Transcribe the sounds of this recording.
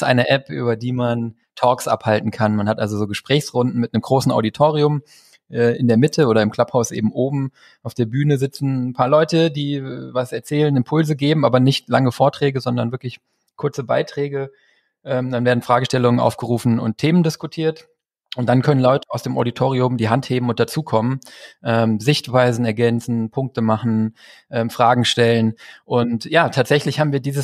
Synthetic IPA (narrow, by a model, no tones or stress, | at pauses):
sʔa̰ɪnəʔɛpʔy̰ːbɐdiːman | tʰɔːksʔa̰phaltn̩kʰanmanhatʔa̰lzozoːɡəʃpʁ̥ɛːçsʁʊndn̩mɪtnəmɡʁoːsn̩ʔa̰ʊditʰoːʁ̞iʊm | ʔɛːʔɪndeːɐmɪtʰəoːɾɐɪmkʰl̥aphaʊsʔḛːbm̩ʔoːbm̩ | ʔaʊfd̥eːɐbyːnəzɪt͡sn̩n̩pʰaːɐlɔʏtədiːvasɛɐt͡sɛːlənɪmpʰʊlzəɡeːbm̩aːbɐnɪçtlaŋəfoːɐtʁ̥ɛːɡəzɔndɐnvɪɐklɪç | kʰʊɐt͡səbaɪtʁ̥ɛːɡə | ʔɛːmdanveːɐdn̩fʁ̥aːɡəʃtɛlʊŋənʔa̰ʊfɡ̥əʁuːfn̩ʊ̰ntʰːeːməndɪskutʰiːɐt | ʔʊnt̚d̥ankʰœnənlɔʏtəaʊsd̥eːmʔo̰ditʰoːʁ̞iʊmdiːɦantheːbm̩ʊntd̥at͡suːkʰɔmənʔɛːmzɪçtv̥aɪzn̩ɛɐɡɛnt͡sn̩pʰʊŋk̚təmaχn̩ʔɛːmfʁ̥aːɡŋ̩ʃtɛlənʔʊntjaːtʰaːtz̥ɛçlɪçhaːbm̩viːɐdiːzəs